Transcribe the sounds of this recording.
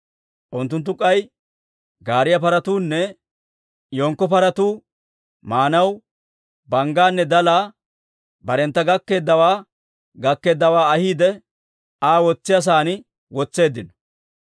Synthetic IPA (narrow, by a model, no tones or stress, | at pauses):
ʔʊnt̪ːʊnt̪̬ːʊkʼːɐj | ɡaːɾɪjɐpɐɾɐt̪uːnːɛ | joːŋkːɔpɐɾɐt̪uː | maːnɐw | bɐŋɡaːnːɛd̪ɐlaː | bɐɾɛnt̪ːɐɡɐkːe̞ːd̪ːɐwaː | ɡɐkːe̞ːd̪ːɐwaːɐhiːd̪ɛ | aːwɔt͡sːɪjɐs̬aːnɪ | wɔt͡sːe̞ːd̪ːɪnɔ̥